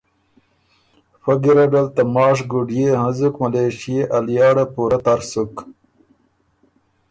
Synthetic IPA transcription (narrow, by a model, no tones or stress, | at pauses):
fɐɡiɾɐɖɐlt̪ɐmɑːʂ̬ɡuɖjeɦɐ̃zukmɐleːʂieʔɐljɑːɽapuːɾɐt̪ɐɾsuk